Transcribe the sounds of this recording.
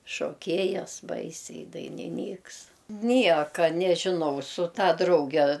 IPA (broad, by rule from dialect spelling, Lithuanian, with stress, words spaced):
ʃoːˈkʲeːjɛs ˈbɐɪsʲɛɪ ɪ dɐɪnʲɪˈnʲiːks ˈnʲiɛkɐ nʲɛʒʲɪˈnɐʊ sʊ ˈtɐ ˈdrɐʊɡʲɛ